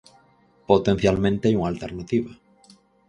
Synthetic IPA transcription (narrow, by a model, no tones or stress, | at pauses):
pot̪en̟θjalmẽnt̪eajuŋalt̪eɾnat̪iβa